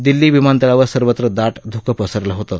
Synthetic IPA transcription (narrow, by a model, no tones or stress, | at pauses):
d̪ilːiːʋimant̪əɭaʋəɾsəɾʋət̪ɾəd̪aʈd̪ʱukəpəsəɾləɦot̪əː